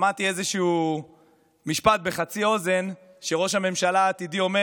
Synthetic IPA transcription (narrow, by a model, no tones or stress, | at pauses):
mat̪iezeʃuu | miʃpat̪̚be̞χat͡sio̞ze̞n | ʃe̞ʁo̞ʃhame̞mʃalaːt̪id̪io̞me